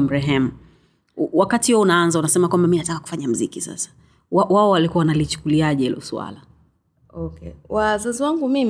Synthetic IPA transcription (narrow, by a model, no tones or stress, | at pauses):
m̩ɾɛɦɛmu | wakatihɔunaanzaunasɛmakwambaminatakakufaɲam̩zikisa̰sḁ | wawaɔwalikuanalit͡ʃu̥kuliaʄɛɛ̰lɔ̰swa̰la | ɔkɛwazaziwaŋɡumim